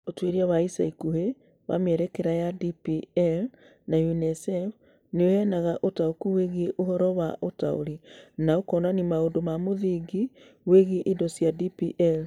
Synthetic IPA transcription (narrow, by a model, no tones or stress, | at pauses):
otweɾiawaisa̰ikuhe | wa̰mɛɾɛkɛɾajadipiɛl | najunɛsɛf | neohɛnaɣaʔotaokuweɣiʔoɦɔɾɔwaʔota̰o̰ɾinaokɔnanimaondomamoðiɡi | weɣiʔidɔsiadipiʔɛl